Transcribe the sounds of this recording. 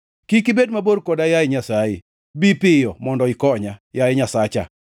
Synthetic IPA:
kikibedmaboɾkodajajɪɲasajḛ | bipɪjɔmɔndɔɪkɔɲajajɪɲasat͡ʃa̰

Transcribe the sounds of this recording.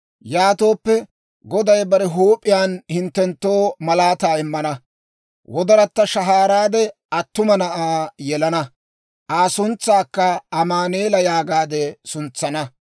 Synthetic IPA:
jaːt̪o̞ːpːɛ | ɡɔd̪ɐjbɐɾɛɦuːpʼːɪjaːnhɪnt̪ːɛnt̪ːo̞ːmɐlaːt̪aːɪmːɐnɐ | wʔɔd̪ɐɾɐt̪ːɐʃɐɦaːɾaːd̪ɛʔɐt̪ːʊmɐnɐʔaːjɛlɐnɐ | ʔaːsʊnt͡sːaːkːɐɐmaːneːlɐjaːɡaːd̪ɛsʊnt͡sːɐnɐ

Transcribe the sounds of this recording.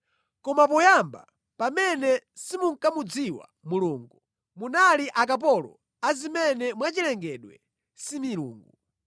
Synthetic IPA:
kɔmap̬ɔjamba̰ | pamɛnɛsimuŋkamud͡ziwa̰muluːŋɡu | munaliʔak̬ap̬ɔlɔ̰ | azimɛnɛmwat͡ʃilɛŋɡɛɗwɛ̰ | similṵːŋɡu

